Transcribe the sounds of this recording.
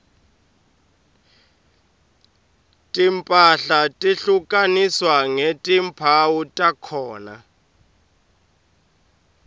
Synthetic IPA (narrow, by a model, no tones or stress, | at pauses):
tʼimpʼaɬatʼiɬukʼaniswaŋetʼimpʰawutʼakʰɔːna̰